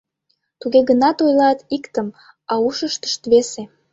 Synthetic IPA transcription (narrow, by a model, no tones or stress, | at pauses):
t̪uɣeɣənɑt̪ojlɑt̪ikt̪əm | ɑuʃəʃt̪ə̥ʃt̪βese